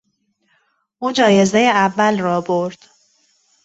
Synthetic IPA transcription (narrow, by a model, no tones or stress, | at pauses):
ʔuːd͡ʒɒːje̞zejeævːælrɒːboɾd̪̥